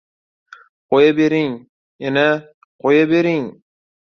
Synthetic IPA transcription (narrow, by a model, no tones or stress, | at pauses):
qʰojabeɾɪŋ | jana | qʰojabe̞ɾɪŋ